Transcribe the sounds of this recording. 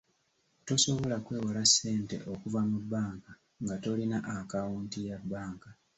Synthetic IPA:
to̞so̞βo̞lakwe̞ːwalasːe̞ːnte̞̰ʔo̞kuvamubːaːŋka | ŋɡato̞linaʔakawuːntijabːaːŋka

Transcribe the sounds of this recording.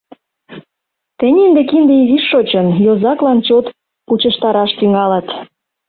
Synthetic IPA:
t̪ĕnʲind̪ekind̪ĕiziʃːot͡ɕə̆njozɑklɑnt͡ɕot̪ | put͡ɕə̆ʃt̪ɑɾɑʃt̪yŋɑlɑt̪

